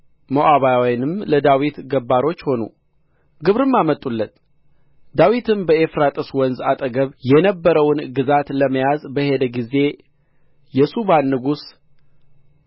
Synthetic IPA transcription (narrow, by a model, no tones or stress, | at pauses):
moʔaβajawjnɨmləd̪awit̪ɡəbːaɾo̞t͡ʃːho̞nṵ | ɡɨβɾɨmːamət̪ʼulːət̪ | d̪awit̪ʰɨmbəʔefɾat̪ʼɨswɔnzat̪ʼəɡəβjɛnəbːəɾəwnɡɨzat̪ləməjazbəhe̞d̪əɡize̞ | jɛsubanːɨɡus